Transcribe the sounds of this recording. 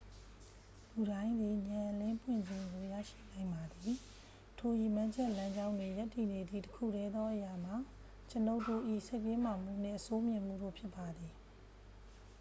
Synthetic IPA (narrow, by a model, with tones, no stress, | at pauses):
lu˨ɾã˦ɪ̃nd̪ði˨ɲã˨ʔlɪ̃˦mpʰwɪ̰̃˦˨ɲd͡ʑɪ̃˨ŋɡo˨jä̰˦˨ʃḭ˦˨nã˨ɪ̃mba˨d̪i˨ | tʰo˨ji˨mã˦ɲd͡ʑɛ˦ʔlã˦ɲd͡ʑã˦ʊ̃ndwe˨ja˦tːi˨ne˨d̪ḭ˦˨təkʰṵ˦˨ɾɛ˦d̪ðɔ˦ʔəja˨m̥a˨ | t͡ɕəno˦ʊtːo˦˨ʔḭ˦˨sʰe˦ɪpje˦m̥a˨m̥ṵ˦˨n̥ɪ̰̃˦˨ʔəso˦mjɪ̃˨m̥ṵ˦˨do̰˦˨pʰjɪ˦pːa˨d̪i˨